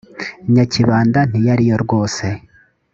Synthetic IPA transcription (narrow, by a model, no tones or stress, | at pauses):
iɲaciβaːndan̥ijaɾijoɾɡoːse̞